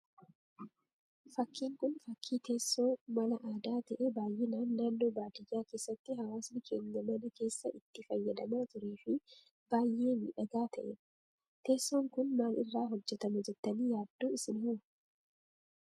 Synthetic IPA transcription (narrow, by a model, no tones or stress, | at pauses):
fɐkʰːiːŋkʊnfɐkʰːiːt̪e̞ːsːoːmɐlɐʔaːd̪aːt̪ɐʔebaːjʔenaːnːaːnːo̞ːbaːt̪ɪjːaːke̞ːsːɐt̪ːɪɦɐwaːsnɪkʰeŋːɐmɐnɪke̞ːsːɐʔɪt̪ːɪfɐjːɐd̪ɐmaːt̪ʊɾeːfɪ | b̥aːjʔe̞ːmḭᶑɐɡaːt̪ʰɐʔɛ | t̪e̞ːsːoːŋkʊnmaːlɪrːaːɦɔd͡ʒːɛt̪ɐmʊd͡ʒɛt̪ːɐniːjaːd̪̥ːoːɪsɪnɪhʊ